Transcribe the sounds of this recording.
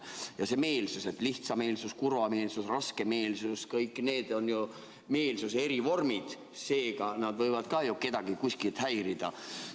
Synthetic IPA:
jɑse̞me̞ːlsuse̞t̪ːˑliht̪sɑme̞ːlsuskuɾvɑme̞ːlsusrɑske̞me̞ːlsuskɤjkːne̞ːd̪̥o̞nju | me̞ːlsuse̞ɾivo̞rmid̪̥ | se̞ːɡɑnɑd̪vɤjvɑd̪̥kɑjuke̞d̪̥ɑɡ̥ikuskilt̪hæjɾid̪̥ɑ

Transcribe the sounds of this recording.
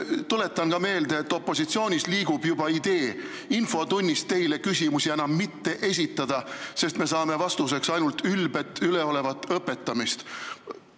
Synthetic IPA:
t̪ule̞t̪ːˑɑnkɑme̞ːld̪eet̪ːˑo̞pːˑo̞sit̪sio̞ːnʲisliːɡ̥ub̥jubɑid̪̥e̞ː | info̞t̪unʲːist̪e̞jle̞kysʲimusienɑmːit̪ːe̞ʔe̞s̬ʲit̪ːˑɑd̪̥ɑse̞st̪me̞s̬ɑːme̞vɑst̪us̬e̞ksɑjnult̪ylb̥e̞t̪ːyle̞o̞le̞vɑt̪ːˑɤpːe̞t̪ːɑmist̪

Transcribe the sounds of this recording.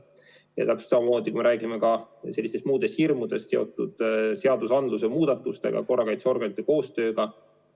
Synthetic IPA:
jɑ̰t̪ɑpsi̥t̪sɑmɑmo̞ːd̪̥ʲikumeɾʔæːɡime̞kɑselːist̪est̪muːd̪̥e̞st̪hirmud̪̥e̞st̪se̞o̞t̪ːˑud̪̥se̞ɑd̪̥usɑnd̪lusemuːd̪̥ɑt̪ːˑust̪e̞̰ɡ̥ɑ̰ko̞rːɑkɑjt̪seo̞rɡ̥enit̪ːˑe̞ko̞ːst̪ø̞ːɡ̥ɑ

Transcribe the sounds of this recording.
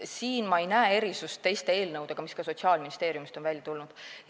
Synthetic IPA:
siːnmɑejnæee̞ɾisust̪ːe̞jst̪e̞eːlnɤwd̪e̞ɡ̥ɑmiskɑso̞t̪ʲsiɑːlminist̪e̞ːɾjumist̪o̞nvælʲjɑt̪ulnud̪̥

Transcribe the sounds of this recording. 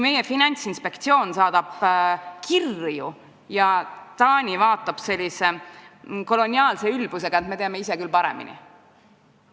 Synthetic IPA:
me̞je̞finɑnʲt̪sinspe̞kt̪sio̞ːnsɑːd̪̥ɑb̥kʰirju | jɑt̪ɑːnʲivɑːt̪ːˑɑb̥se̞lʲːise̞ | ko̞lo̞nʲiɑːlse̞ylb̥use̞ɡɑet̪me̞t̪eɑme̞ise̞kylpɑɾe̞̰mḭnḭ

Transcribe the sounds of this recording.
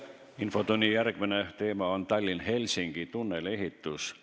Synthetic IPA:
info̞t̪unʲːijæɾɡ̥mine̞t̪e̞ːmɑont̪ɑlʲːinɦe̞lʲsiŋɡ̥it̪unːe̞le̞ɦit̪ːˑus

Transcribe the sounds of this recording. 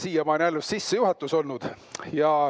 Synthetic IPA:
siːjɑmɑːnʲælːusːisːejuɦɑt̪ːˑuso̞lnud̪̥ | jɑ

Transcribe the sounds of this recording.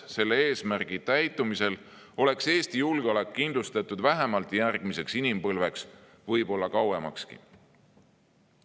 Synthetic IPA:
se̞lːee̞ːsmærɡ̥it̪æjt̪ːˑumise̞l | o̞le̞kse̞ːst̪ijulɡ̥eolekːind̪lust̪ɑt̪ːˑud̪væɦemɑlt̪ˑjærɡ̥mise̞ksinimpɤlve̞ks | vɤjb̥o̞lːɑkɑwe̞mɑkskḭ

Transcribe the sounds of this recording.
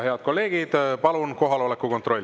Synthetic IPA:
he̞ɑd̪̥̚ko̞lːe̞ːɡ̥id̪̥pɑlunko̞ɦɑlo̞lekːukot̪ro̞lʲː

